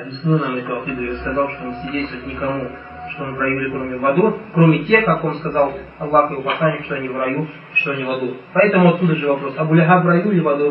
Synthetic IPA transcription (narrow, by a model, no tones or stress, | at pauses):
ɐbʲɪsnɨnamɨk̪ɐxid̪ɨjoskɐzalˠʂt̪onsʲɪdʲejst̪vʲəɨɪt̪̚ʲnʲɪkɐmu | ʂt̪onɨvɾɐjulʲɪkɾo̞mʲɪvɐd̪ukɾomʲɪtʲe̞xkːako̞nskɐzalˠ | ɐlˠːaxjɪvopɐslˠanʲːɪkʂt̪oɐnʲivɾɐju | ʂt̪oɐnʲivɐd̪upɐɛt̪əmʊɐt̪sud̪əʐɨvɐpɾo̞sɐɡʊlʲaɦavɾɐjulʲɪvɐd̪ɨ